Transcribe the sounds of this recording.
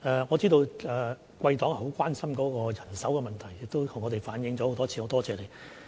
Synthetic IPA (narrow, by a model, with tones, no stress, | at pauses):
ʔɛː˨˧ŋɔː˨˧t͡siː˥t̪o˧wɛː˨ | kwɐ˧jt̪ɔː˨˥ŋhɦo˨˥wkʷaː˥nsɐ˥mkɔː˨˥kɔː˧jɐ˨˩nsɐ˨˥wkɛ˧mɐ˨nt̪ʰɐ˨˩jːɪ˨k̚t̪o˥t̪ʰŋːɔ˨˧ɾe˨jfaː˨˥njɪ˧ŋt͡sɔ˨˥ho˨˥wt̪ɔː˥t͡sʰi˧ho˨˥wt̪ɔː˥t͡sɛː˧le˨˩j